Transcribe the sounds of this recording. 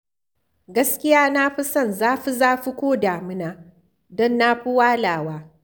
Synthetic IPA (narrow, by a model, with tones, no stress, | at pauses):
ɡɐ˦skʲɪ˦jaː˦na˦ɸi˦sɐ˦˨nzaː˦ɸi˦zaː˦ɸi˦kʷoː˦daː˨mɪ˦naː˨ | dɔ˦nːa˦ɸi˦waː˦laː˨waː˦